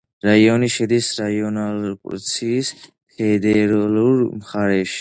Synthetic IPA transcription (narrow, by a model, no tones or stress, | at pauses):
ɾaiɔniʃɛd̪isɾaiɔnalkʼṵɾt̪sʰiːs | pʰɛd̪ɛɾluɾmχaɾɛʃi̥